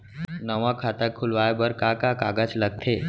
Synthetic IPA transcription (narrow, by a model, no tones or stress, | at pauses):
nəʋãkʰat̪akʰulʋajbəɾkakakaɡət͡sləɡ̚t̪ʰe